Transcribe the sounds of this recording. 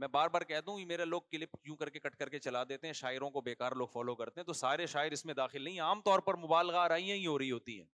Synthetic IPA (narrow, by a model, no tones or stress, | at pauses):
mɛ̃ːbaːɾbaːɾkɛɦt̪aɦũkimeːɾeloːɡ̚kɪlɪpkjũːkɐɾkekɐʈkɐɾket͡ʃɐlad̪eːt̪eɦɛ̃ʃaːɪɾõkobeːkaːɾloːɡfɔːlokɐɾt̪ẽɦɛ̃t̪osaːɾeʃaːɪɾɪsmẽd̪aːxɪlnɐɦĩaːmt̪ɔːɾpɐɾmʊbaːlɣaɐɾaːijãɦĩɦoːɾɐiɦoːt̪iɦɛ̰ː